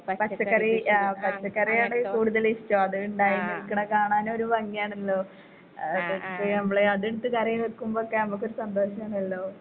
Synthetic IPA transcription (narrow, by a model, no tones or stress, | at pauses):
ppɐt͡ɕt͡ɕːɐkːɐriaːpɐt͡ɕːɐkːɐrijaːɳɨkuːɽuðɐlistːoɐðɨuɳɖaːjinikːɐɳɐkaːɳaːno̞ɾuʋɐŋːijaːɳilːo̞ː | enɐmːɐɭeɐðiɽut̪ːɨkɐrɐjʋerkːumbookːenɐmukːo̞ɾusɐnd̪ʱo̞ːɕɐmaːɳilːo̞ː